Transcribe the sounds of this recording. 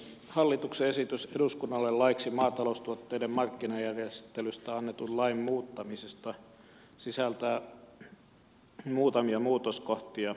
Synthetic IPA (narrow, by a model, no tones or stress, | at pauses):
hɑlːit̪ukseesit̪yseduskunːɑlːellɑiksimɑːt̪ɑloust̪uot̪ːeidemmɑrkːinɑjærjest̪elyst̪æɑnːet̪ullɑimmuːt̪ːɑmisest̪ɑ | sisælt̪æ | muːt̪ɑmiɑmuːt̪oskoht̪iɑ